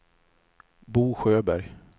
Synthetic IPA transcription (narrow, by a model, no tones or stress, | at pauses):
buːɧøːbæɾj